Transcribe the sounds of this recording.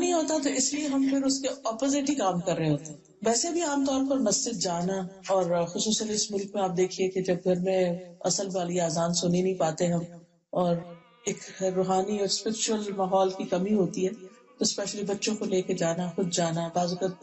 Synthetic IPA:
nĩɦoːt̪aɦɛt̪̬oɪslieɦɐmpʰɪɾʊskeɔːpozɪʈikaːmkɐɾːɐɦeɦoːt̪eɦ | ʋɛːsebʱiaːmt̪ɔːɾpɐɾmɐsd͡ʒɪd̪̚d͡ʒaːnaɔːɾxʊsuːsət̪ɪsmʊlkmẽaːp̚d̪eːkʰieked͡ʒɐb̚ɡʱɐɾmẽɐ̰səlbaːliaːzaːnsʊninɐɦĩpaːt̪eɦɐm | ɔːɾ | eːkɾoːɦaːniɔːɾspɪɾɪt͡ʃʊwəlmaːɦɔːlkikɐmiɦoːt̪iɦɛː | t̪oɪspɛːʃəlibɐtːʃõkoleːked͡ʒaːnaxʊd̪̚d͡ʒaːnabaːzʊkət̪̚

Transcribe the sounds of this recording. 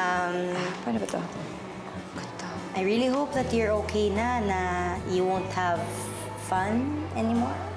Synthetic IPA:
ʔɐ̃mpɛnɔbɐt̪o | ɡɔt̪o | ʔajɹiliɦoʊp̚ðɐt̪jɔɹoːkʰejnanɐjuwõnt̪hav | fãnʔɛnimɔɹ

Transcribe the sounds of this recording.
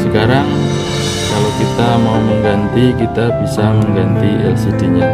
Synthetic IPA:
səkaɾaŋ | kalawkit̪amauməŋɡant̪ikit̪abisaməŋɡant̪iɛlsidiɲa

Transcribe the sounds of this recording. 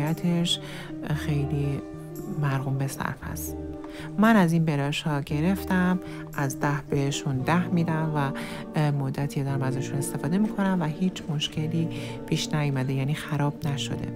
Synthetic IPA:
jæt̪ʰeʃ | xe̞jliː | mæɾhuːmbe̞sæ̰ɾfæ̰st̪ | mænæzinbe̞ɾɒːʃhɒːɟe̞ɾe̞ft̪æm | ʔæzd̪æhbeheʃund̪æhmiːd̪æmvæ | mod̪ːæt̪ʰied̪æɾæmæzɒʃune̞st̪e̞fɒːd̪e̞miːkʰo̞næmvæɦiːt͡ʃʰmo̞ʃce̞liːpʰiːʃnæjomæd̪e̞jæːniːxæɾɒːb̥næʃo̞̰d̪e̞̰

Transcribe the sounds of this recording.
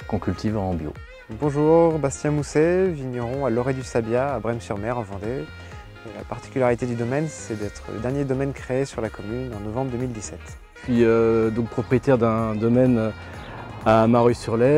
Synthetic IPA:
kɔ̃kʲylt̪ʰivɑ̃bjo̰ | bɔ̃ʒuʁbast̪jɛ̃museviɲjɔʁɔ̃alɔʁed̪ysabjaːbʁɛmsyʁmɛʁɑ̃vɑ̃d̪e | la̰paʁt̪i̥kʲylaʁit̪ed̪yd̪ɔmɛnsɛd̪ɛt̪χə̰lə̰d̪ɛʁnjed̪ɔmɛnkχeːsyʁlakɔmynɑ̃nɔvɑ̃bʁd̪əmild̪isɛt̪ | sɥiød̪ɔ̃k̚pχɔpχijet̪ɛʁd̪ɛ̃d̪ɔmɛn | amaʁysyʁlɛ

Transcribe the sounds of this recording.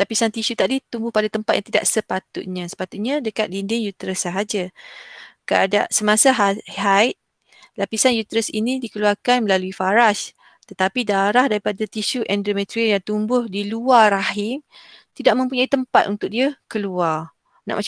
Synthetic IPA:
lapisant̪isut̪aʔdit̪umbʊhpadat̪əmpat̪̚jãŋt̪ida̰ʔsəpat̪ʊ̰t̪̚ɲãsə̥pat̪ʊʔ̪̚ɲadəkat̪̚lindɪŋjut̪ɾəsːəɦad͡ʒa | kəada̰ʔsəmasaɦhat̪̚ | lapisanjut̪ɾəsinidikəluarkanmə̃laluifaɾas | t̪ət̪apidaɾahdaɾipadat̪iʃuʔɛndɾomɛt̪ɾiəjaŋt̪umbʊhdiluaɾaɦɪm | t̪idaʔ̚mə̃mpuɲait̪əmpat̪ʔunt̪ʊk̚diəkəluar | na̰ʔma

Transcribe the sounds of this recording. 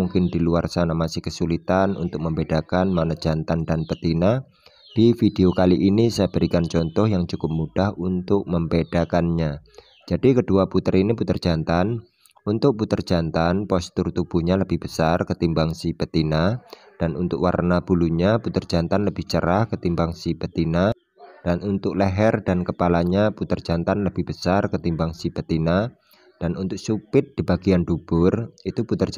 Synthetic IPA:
muŋkɪndiluarsanamasɪhkəsulit̪anṵnt̪ʊk̚məmbed̥akanmanad͡ʒ̥ant̪andanpət̪ina | d̥ifideokaliʔinisajbəɾikant͡ʃɔnt̪ɔhjaŋt͡ʃukʊp̚mud̥ahunt̪ʊk̚məmbedakanɲa | d͡ʒ̥adikəduaput̪əɾiniput̪ərd͡ʒ̥ant̪an | unt̪ʊk̚put̪ərd͡ʒ̥ant̪anpɔst̪ʊrt̪ub̥uhɲaləb̥ɪhb̥əsarkət̪imbaŋsibət̪ina | d̥anʔunt̪ʊkwa̰rnab̥uluɲaput̪ər̥d͡ʒ̥ant̪anləbɪht͡ʃəɾahkət̪imbaŋsibət̪ina | d̥anunt̪ʊk̚ləɦɛrdankəpalaɲaput̪ərd͡ʒant̪anləb̥ɪhb̥əsarkət̪imbaŋsibət̪ina | d̥anunt̪ʊk̚supɪt̪̚d̥ibaɡiandub̥ʊrit̪uput̪ər

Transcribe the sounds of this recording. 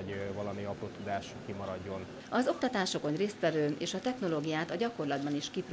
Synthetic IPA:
ɟvɒlɒmiɒpɾoːt̪ud̪aːʃukimɒɾɒɟːo̞n | ɒzo̞k̚t̪ɒt̪aːʃokonreːst̪ʋɛvøːeːʃɒt̪ɛxno̞loːɡijaːt̪ɒɟɒkko̞rlɒd̪bɒniʃkipr

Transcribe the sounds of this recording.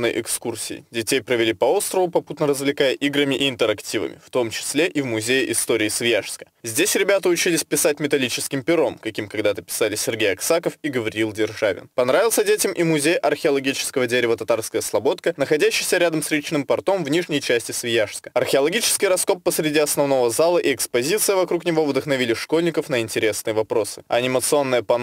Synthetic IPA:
nːəjʔɪkskursʲɪ̰ɪ̰dʲɪtʲejpɾəvʲɪlʲipɐo̞st̪ɾəvʊpɐput̪nəɾəzvlʲɪkajəʔiɡɾəmʲɪʔɪɪnt̪əɾɐktʲivə̰mʲɪ̰ft̪o̞mt͡ɕɪ̥sʲlʲeʔivmʊzʲejɪʔɪst̪o̞ɾʲɪːsvʲɪjaʂskə̥zʲdʲesʲɾʲɪbʲat̪əʊt͡ɕilʲɪsʲpʲɪsat̚ʲmʲɪt̪ɐlʲit͡ɕɪskʲɪmpʲɪɾo̞mkɐkʲimkɐɡd̪at̪əpʲɪ̥salʲɪsʲɪrɡʲejɐksakəfiɡəvɐɾʲilˠdʲɪrʐavʲɪ̰npɐnɾavʲɪlˠsʲədʲetʲɪmʔimʊzʲejʔɐrxʲɪɐlˠɐɡʲit͡ɕɪ̥skəvədʲeɾʲɪvət̪ɐt̪arskəjəslˠɐbo̞t̪̚kənəxɐdʲæɕːɪjsʲəɾʲad̪əmsɾʲit͡ɕnɨmpɐrt̪o̞mvnʲiʐnʲəjt͡ɕæsʲtʲɪsvʲɪjaʂskə̥ɐrxʲɪɐlˠɐɡʲit͡ɕɪ̥skʲɪjrɐsko̞pːəsɾʲɪdʲiɐsnɐvno̞vəzalˠəʔiɛkspɐzʲit̪sɨjəvɐkɾuknʲɪvo̞vd̪əxnɐvʲilʲɪʂko̞lʲnʲɪkəfnəɪnʲtʲɪɾʲe̞snɨjəvɐpɾo̞sɨ̥ɐnʲɪmət̪sɨo̞nːɨjəpɐ

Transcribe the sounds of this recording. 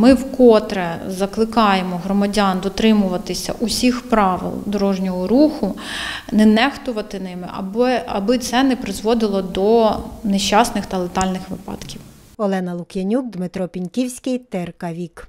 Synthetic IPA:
mɪwkɔt̪ɾɛzɐklˠɪkɑjemɔɦɾɔmɐdʲɑnd̪ɔt̪ɾɪmʊʋɐt̪ɪsʲɐ̰ʔʊsʲixpɾɑʋɪ̰lˠd̪ɔɾɔʒnʲɔɦɔɾuxʊnɛnɛxt̪ʊʋɐt̪ɪnɪmɪɐbɐbɪt̪sɛnɛpɾɪzʋɔd̪ɪlˠɔd̪ɔneʃʲːɑsnɪxt̪ɐlˠet̪ɑlʲnɪxʋɪpɑ̰t̪kʲiw | ɔlˠɛnɐlˠʊkjɐnʲuk̚d̪mɪt̪ɾɔpʲinʲkʲiwsʲkɪjt̪ɪrkɐʋʲik

